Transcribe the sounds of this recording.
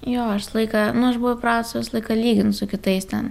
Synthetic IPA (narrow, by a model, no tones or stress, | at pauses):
joːɐʃslˠɐɪkɑnʊɐʃbʊʋʊpɾɑːt̪sʋʲɪslˠɐɪkɐlʲiːɡʲɪnʊsʊkʲɪt̪ɐɪst̪ʲɛn